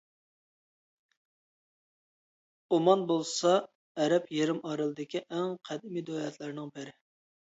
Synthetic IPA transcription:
omɑnbolˠsɑ | ɛɾɛpʰjeɾɪmɑɾɨlˠɨd̪ɪkʲiʔɛŋqʰɛd̪ɪmid̪oɛt̪læɾnɪŋbɪɾɪ

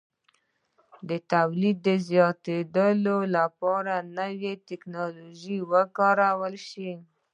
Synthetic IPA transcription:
d̪ət̪awlid̪ːəzjɑt̪ed̪əlolapɑɾanəwet̪ɪknɑloʒiwəkɑɾawəlʃi

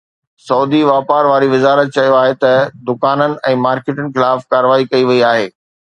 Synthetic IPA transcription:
sɔːd̪iʋaːpaːɾʋaːɾiʋɪzaːɾət̪̚t͡ɕɐjoaːɦet̪ɐd̪ʊkaːnənɪ̆ʔɛ̃ːmaːɾkeːʈənɪ̆xɪlaːfkaːɾəʋaːikɐiʋɐiaːɦeː

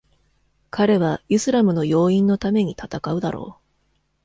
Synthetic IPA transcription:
kaɾe̞β̞aisɨɾamɯ̟no̞jo̞ːĩnːo̞t̪ame̞ɲ̟it̪at̪akaɯ̟d̪aɾo̞̰ː

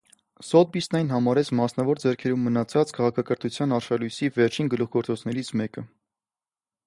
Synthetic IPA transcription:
sɔt̪̚bisnɛjnɦɑmɑɾɛt͡sʰmɑsnɑvɔɾd͡zɛɾkʰɛɾumːənɑt͡sʰɑt͡skʰɑʁɑkʰɑkəɾt̪ʰut͡sʰjɑnɑɾʃɑlujsivɛɾt͡ʃʰinɡəluχɡɔɾt͡sɔt͡sʰnɛɾit͡sʰmɛkə

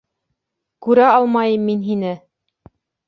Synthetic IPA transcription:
kʉɾæɑlˠmɑjɤmːinɦinɘ

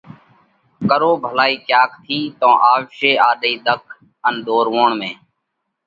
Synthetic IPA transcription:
kəɾoːbʱəlaːiːkjaːkʰt̪ʰiːt̪õːʔaːʋʃeːaːɗ̪iːd̪əkʰ | ənd̪oːɾʋoːɳmẽː

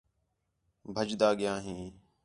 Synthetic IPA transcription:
bʱəd͡ʒd̪aːɠɪjãːɦĩː

